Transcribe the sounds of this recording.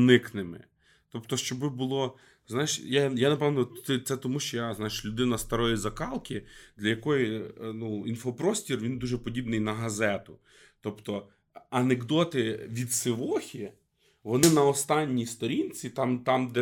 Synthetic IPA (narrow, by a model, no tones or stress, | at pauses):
nɪknɪmɪ̰ | t̪ɔpt̪ɔʃt͡ʃɔbɪbʊlˠɔ | znajeʃjajanɐpɛʋnɔɛt̪sɛt̪ɔmuʃt͡ʃɔjaznɑjɪʃlʲʊd̪ɪnɐst̪ɐɾɔjizɐkɑlˠkʲid̪lʲɐjɐkɔjinuinfɔpɾɔsʲtʲirʋʲind̪uʒɛpɔdʲibnɪjnɐɦɐzɛt̪ʊ | t̪ɔpt̪ɔ | ɐneɡd̪ɔt̪ɪʋʲid̪sɪʋɔxʲi | ʋɔnɪnɐɔst̪ɑnʲːijst̪ɔɾʲinʲt͡sʲit̪ɑmt̪ɑmd̪ɛ